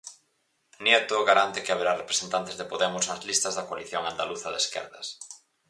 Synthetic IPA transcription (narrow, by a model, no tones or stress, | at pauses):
njet̪oɣaɾant̪ɪkɪaβeɾarepɾesent̪ant̪ezðepoðɛmʊsnɐzlist̪ɐzðɐkoaliθjoŋand̪aluθɐðeskɛ̰ɾðɐs